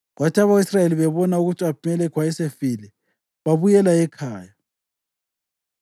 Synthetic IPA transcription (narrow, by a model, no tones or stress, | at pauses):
ɣwatʰiaβaisrajeliβɛβɔnauɣutʰʼiapʰumɛlɛkʰwaɛsefiːlɛ | βaβujɛlaɛkʰaːja